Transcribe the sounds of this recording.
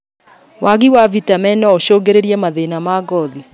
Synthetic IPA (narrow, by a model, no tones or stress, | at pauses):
waɣiwavitamɛnɔoʃoːɡeɾeɾiɛmaðenamaɡɔði